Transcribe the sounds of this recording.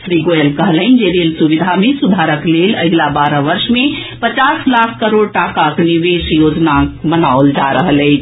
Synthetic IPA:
sɾiɡojəlkəɦlənd͡ʒelelsuʋid̪ʱamesud̪ʱaɾəklelə̰ɡlabaɾəʋəɾʃmepət͡ʃaslakʰkəɾoɖ̚ʈakakniʋesjod͡ʒnamənaold͡ʒaɾəɦələɪt͡ʃʰ

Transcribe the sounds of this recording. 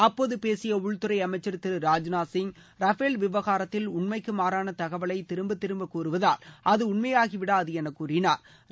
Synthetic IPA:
ɐpːoːðɯpeːsɪjɐʊɭt̪ɯɾɐɪɐmɐɪt͡ʃːɐɾt̪ɪɾɯɾaːd͡ʒnaːsɪŋ | ɾɐfeːlʋɪʋɐɣaːɾɐt̪ːɪlʊɳmɐɪkːɯmaːɾaːnɐt̪ɐɣɐʋɐɭɐɪt̪ɪɾɯmbɯt̪ːɪɾɯmbɐkuːɾɯʋɐðaːlɐðɯʊɳmɐjaːɣiʋɪɽaːɐðɯɛnɐkːuːrɪnaːɾ

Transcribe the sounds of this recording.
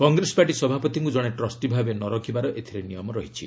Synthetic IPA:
kɔŋɡɾesɔ̥paʈisɔbʱapɔt̪iŋkud͡ʒɔɽ̃eʈɾɔsʈibʱabenɔɾɔkʰibaɾɔʔet̪ʰiɾenijɔmɔɾɔɦit͡ʃʰi

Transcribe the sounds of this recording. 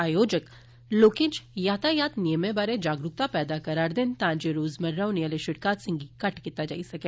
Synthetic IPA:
aːjoːd͡ʒək | loːkeːd͡ʒjaːt̪ajaːt̪nijəmẽbaːɾed͡ʒaːɡɾʊk̚t̪apɛːd̪akɐɾaɾd̪ɪnt̪ãːɲd͡ʒeɾoːzmɐɾːawnijəleʃʊʈkaːt̪sɪ̃ŋɡikɐʈkit̪ad͡ʒa̰ːisɐkeː

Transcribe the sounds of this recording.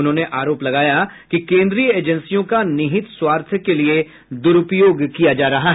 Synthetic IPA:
ʊnɦõːneʔaːɾoːplɐɡaːjakikẽːnd̪ɾiːəeːd͡ʒə̃nsijõkanɪɦɪt̪swaːɾt̪ʰjəkelie | d̪ʊɾʊpjoːɡkijad͡ʒaːɾɐɦaɦ

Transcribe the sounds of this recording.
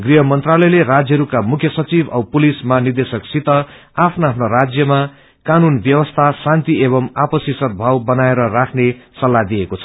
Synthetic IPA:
ɡriɦʌmʌnt̪ralʌjlerad͡zjʌɦɾukamukʰjʌsʌt͡sibʱʌwpulismanird̪esʌksit̪ʌ | apʰnaapʰnaɾad͡zjʌma | kanunbjʌwʌst̪ʰasãnt̪ieβʌmapʌsisʌd̪̚bʱawbʌnaeɾʌrakʰnesʌlːad̪ijekot͡sʰʌ̥

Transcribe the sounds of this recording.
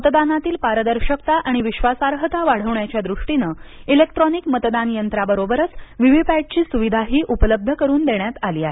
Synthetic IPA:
mət̪d̪anat̪iːlpaɾəd̪əɾɕəkt̪aʔaɽ̃iʋiɕʋasaɾɦət̪aʋaɽ̤əʋɳjat͡ɕjad̪ɾuʂʈinəilekʈɾɔnikmət̪d̪anjənt̪ɾabəɾobəɾət͡sʋiʋipɛʈ̚t͡ɕiːsuʋid̪ʱaɦiːʔupələb̚d̪ʱəkəɾuːnd̪eɳjat̪aliːaɦee

